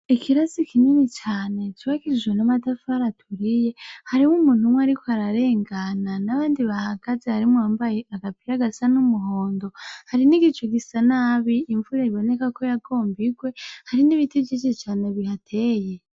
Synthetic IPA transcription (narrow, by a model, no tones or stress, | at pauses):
ikʰiɾasikʰininit͡ʃaːne̞t͡ʃiβakiʒwenamadafaɾatʰuɾije̞haɾimumuːn̥umwaɾiko̞haɾaɾe̞ːŋɡananaβaːndiβahaɡ̥azehaɾimuaːmbajeaɡapiɾaɡasanumuɦo̞ːndo̞haɾiniɡit͡ʃoɡisanaβiːɱvuɾeɾiβo̞ne̞kako̞jaɡo̞ːmbiɡwe̞haɾiniβitid͡ʒit͡ʃet͡ʃaːneβihatʰe̞je